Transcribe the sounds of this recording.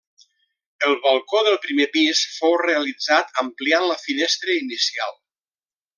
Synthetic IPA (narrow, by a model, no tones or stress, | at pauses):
əlˠβəlˠkoðəlˠpɾimepisfowreəlid͡zat̪əmplianləfinɛst̪ɾəinisialˠ